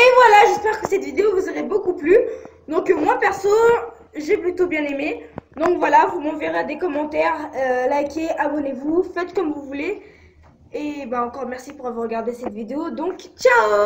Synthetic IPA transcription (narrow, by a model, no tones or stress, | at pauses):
evwalaʒɛspɛʁkəsɛt̪vid̪eovuzəʁebokuply | d̪ɔ̃kmwapɛʁsɔn | ʒeplyt̪objɛ̃nemed̪ɔ̃kvwalavumɑ̃veʁead̪ekɔmɑ̃t̪ɛʁølajkʲeʔabɔnevufɛt̪kɔmvuvule | ebaɑ̃kɔʁmɛʁsipuʁavwaʁːəɡʲaʁd̪esɛt̪vid̪eod̪ɔ̃kt͡ʃao